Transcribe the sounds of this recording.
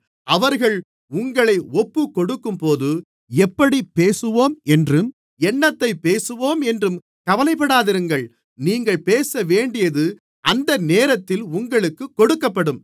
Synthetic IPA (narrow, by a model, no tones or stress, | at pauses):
ʔɐʋɐɾɣɐɭ | ʊŋɡɐɭɐɪɔpːɯkːɔɽɯkːɯmpoːðɯ | ɛpːɐɽipːeːsɯʋoːmɛndrɯm | ɛɳːɐt̪ːɐɪpːeːsɯʋoːmɛndrɯm | kɐʋɐlɐɪpːɐɽaːðɪɾɯŋɡɐɭ | niːŋɡɐɭpeːsɐʋeːɳɖɪjɐðɯ | ʔɐnd̪ɐneːɾɐt̪ːɪlʊŋɡɐɭɯkːɯkːɔɽɯkːɐpːɐɽɯm